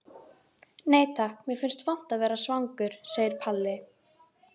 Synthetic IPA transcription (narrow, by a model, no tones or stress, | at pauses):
neːjt̪ʰahkmɛfɪnst̪van̥t̪aðvɛːɾasvaŋkʏɾ̥seːjɪɾpʰalːɪ